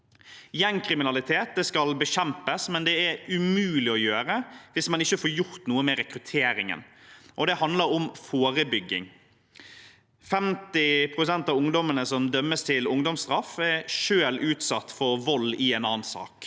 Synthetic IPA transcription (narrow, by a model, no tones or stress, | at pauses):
jɛŋkʰɾɪmɪnɑlɪt̪ʰeːt̪̚d̪ɛːskɑlbəɕɛmpəsmɛnd̪ɛæɾʉmʉːlɪɔjøːɾəʋɪsmɑnɪçːəfoːɾjʊɾt̪nuːəmɛɾɛkɾʉt̪ʰeːɾɪŋə̰nʔɔd̪ɛhɑnd̪ləɾɔmfoːɾəbʏɡːɪ̰ŋ | fɛmt̪ɪpʰɾʊsɛnt̪ɑʋʊŋd̪ɔmənəsɔmd̪œmːəst̪ʰɪlʊŋd̪ɔmst̪ɾɑfæɾʂøːlʉːt̪sɑt̪ːfɔɾʋɔlːɪɛːnɑːnsɑ̰ːk